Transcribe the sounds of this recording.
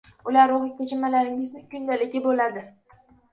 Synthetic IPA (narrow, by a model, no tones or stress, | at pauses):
ʊlaɾoʁɪk̚ʲt̪ʰʲet͡ʃʰɪmːalaɾɪŋɪznɪkʲʊnd̪alɪkʲɪbolad̪ɪ